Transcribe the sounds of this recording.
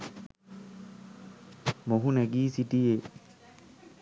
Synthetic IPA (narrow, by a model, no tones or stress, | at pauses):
moɦunaɡiːsitije